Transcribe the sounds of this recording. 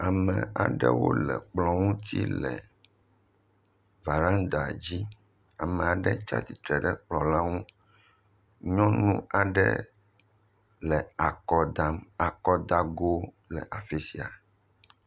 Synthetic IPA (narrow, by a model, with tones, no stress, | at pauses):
a˨mɛ̃˨a̰˨ɖɛ̰˦wo̰˦lɛ̰˨k͡plɔ˨ŋũ˦t̪ḭ˦lɛ˨ | va˨ɾã˦nd̪a˨d͡ʑi˦ | a˨mɛ̃˨a˨ɖɛ˦t͡ʃa̰˦t̪i˨t̪ɾɛ˨ɖɛ˦k͡plɔ˨la˦ŋũ˦ | ɲɔ̃˦nũ˦a˨ɖɛ˦ | lɛ˨a˨kɔ˨d̪a˦ma˨kɔ˦d̪a˦ɡo˦ | lɛ˨ʔa˨fe˦si˨a˨